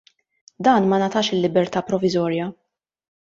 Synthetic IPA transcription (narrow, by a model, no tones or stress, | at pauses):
d̪ɐːnmɐnɐt̪ɐːʃɪlːɪbɛɾt̪ɐːpɾɔvɪzɔːɾjɐ